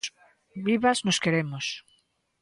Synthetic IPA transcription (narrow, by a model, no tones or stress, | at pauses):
βiβaznoskeɾemʊs